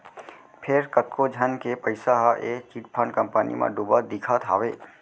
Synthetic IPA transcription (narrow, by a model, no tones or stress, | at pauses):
pʰeɾkət̪kod͡ʒʱənkepəɪsaɦʔet͡ʃiʈpʰəɳkəmpənḭmã̰ɖubəd̪ikʰat̪ʰa̰ʋe